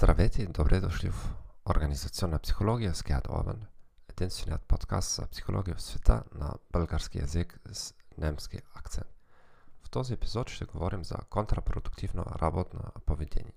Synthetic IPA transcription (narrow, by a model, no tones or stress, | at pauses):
t̪ɾaʋet̪id̪obɾʔed̪oʃlʲiv | oɾɡanizat̪sionapsi̥xoloɡijaskead̪o̰va̰n | ed̪inst̪ʋeniat̪̚pot̪ka̰st̪z̥a̰psi̥xoloɡijusʋet̪ʰa̰na̰b̥lɡaɾskija̰zikz̥nemskḭakt̪sent̪wt̪oziepi̥zod̪u̥ʃt̪ɛɡoʋoɾimza̰kont̪ɾapɾod̪ukt̪iʋno̰ɾʔabot̪no̰poʋjed̪ḛːɲɛ